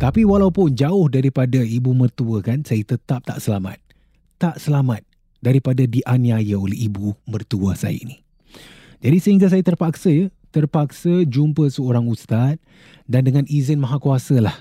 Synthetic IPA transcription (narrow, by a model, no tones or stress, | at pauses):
t̪apiwalawpʊnd͡ʒaʊhdaɾipadaibumərt̪uəkansajat̪ət̪ap̚t̪a̰ʔsəlama̰t̪̚ː | aʔsəlamat̪̚ | daɾipadadiʔaniajaolɛhibumərt̪uəsa̰ja̰ini | d͡ʒadisəɦiŋɡas̬ajat̪ərpaksəjat̪ərpak̚səd͡ʒumpəsəoɾaŋust̪at̪̚ | dandəŋãnizɪnmaɦakuasəlah